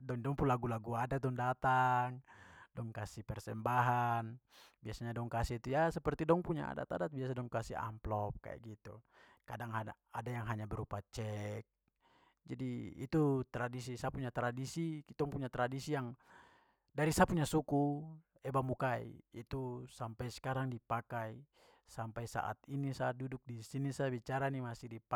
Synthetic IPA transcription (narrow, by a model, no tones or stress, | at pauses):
dɔŋdɔŋpunlaɡulaɡuadad̪ɔŋdat̪aŋdɔŋkasipɛrsɛmbaɦan | biasaɲadɔŋkasit̪ujasɛpərt̪idɔŋpuɲa̰a̰da̰t̪adat̪̚biasadɔŋkasia̰mplɔp̚ka̰ɛ̰ʔɡit̪u | kadaŋɦaa | adajaŋɦaɲabɛɾupat͡ʃɛk̚ | d͡ʒadiḭt̪ut̪ɾadis̬isapuɲat̪ɾadisikit̪ɔŋpuɲat̪ɾadisijaŋ | daɾisapuɲasuku | ɛbamukaḭit̪usampajsɛ̥kaɾaŋdipakai | sampajsa̰ʔa̰t̪inisaːt̪̚duduk̚disinisabit͡ʃaɾanimasihdip